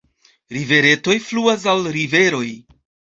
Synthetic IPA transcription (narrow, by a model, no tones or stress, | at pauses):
ɾive̞ɾe̞to̞jfluas̬alɾive̞ɾo̞j